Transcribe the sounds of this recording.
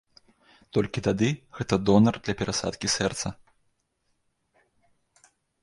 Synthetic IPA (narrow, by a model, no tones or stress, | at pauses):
t̪ɔlʲkʲit̪ad̪ɨɣɛt̪ɐd̪ɔnɐrd̪lʲɐpʲɛɾasa̰t̪kʲisʲɛrt̪sɐ